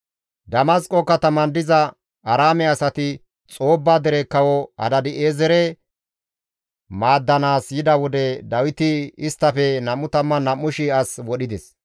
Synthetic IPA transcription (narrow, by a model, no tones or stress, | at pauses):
d̪ɐmɐskʼɔkːɐt̪ɐmɐnd̪ɪzɐ | ɐɾaːmɛɐsɐt̪ɪ | t͡sʼo̞ːbːaːd̪ɛɾɛkːɐwɔɐ̰d̪ɐd̪ɪʔeːzɛɾɛ | maːd̪ːɐnaːsjɪd̪ɐwɔd̪ɛd̪ɐwɪt̪ɪɪst̪ːɐfɛnɐmːʊt̪ɐmːɐnɐmːʊʃiɐswɔɗɪd̪ɛs